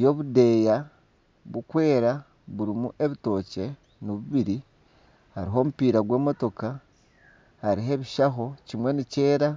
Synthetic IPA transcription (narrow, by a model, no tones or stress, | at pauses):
jo̞βude̞ja | βukwe̞ːɾa | βuɾimuʔe̞βito̞ːce̞ | noβuβiɾi | haɾiɦo̞ːmupiːɾaɡwe̞ːmo̞to̞ka | haɾiɦe̞βiʃaɦo̞cimwe̞nice̞ːɾa